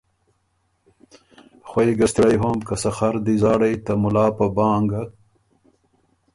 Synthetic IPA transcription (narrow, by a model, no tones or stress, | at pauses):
xwajɡast̪iɽajɦomkasaxaɾd̪izɑːɽajt̪amʊlɑːpabɑːŋɡa